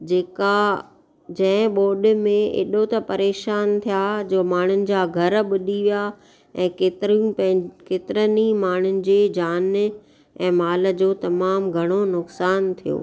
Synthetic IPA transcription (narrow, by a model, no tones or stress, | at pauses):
d͡ʑeːka | d͡ʑɐ̃ɦɓoːɗ̆mẽḛːɗot̪ɐpɐɾeːʃaːnt̪ʰijad͡ʑoːmaːɳ̤ʊnɪ̆d͡ʑaːɡʱɐɾɓʊɗiʋija | ɛ̃ːket̪ | keːt̪ɪɾənimaːɳ̤ʊnɪ̆d͡ʑeːd͡ʑaːn | ɛ̃ːmaːlə̆d͡ʑoːt̪ɐmaːmɡʱɐɽ̃onʊksaːnt̪ʰijo̰ː